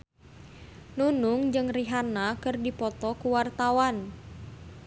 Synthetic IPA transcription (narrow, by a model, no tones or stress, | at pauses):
nunuŋd͡ʒɨŋriɦanakɨrdipɔt̪ɔkuwart̪awan